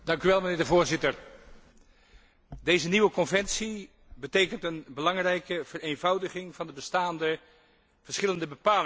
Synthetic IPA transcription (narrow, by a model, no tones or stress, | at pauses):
d̥ɑŋkyʋɛlˠmənɪːɹdəvʊːɹzɪtər | dejzəniʋəkɔnvɛnsi | bətejkəntənbəlɑŋrɛjkəv̥ərejnvʌwdəχɪŋvɑndəbəstaːndə | v̥əɹsχɪləndəbəpaːl